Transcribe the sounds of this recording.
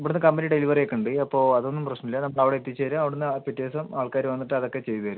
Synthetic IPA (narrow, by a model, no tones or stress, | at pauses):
ɐpːɽunːɨkɐmbeniɖe̞liʋɐrekːɐɳɖɨɐpːo̞ːɐðo̞nːumprɐɕnɐmilːɐnɐmːɐɭɐʋiɽeet̪ːit͡ɕːeːɾumɐʋiɽenːɨapitːeːsɐmaːɭkaːɾuʋɐnːiʈːɨɐðo̞kːe̞t͡ɕe̞jt̪uɐɾu